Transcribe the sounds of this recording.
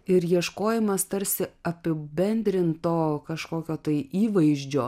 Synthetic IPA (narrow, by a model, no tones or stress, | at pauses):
ɪɾjiɛʃkoːjɪmɐst̪ɐɾʲsʲɪɐpʲɪbʲɛnʲd̪ʲɾʲɪnt̪oːkɐʃkoːkʲoːt̪ɐɪʔiːʋɐɪʒʲd͡ʒʲoː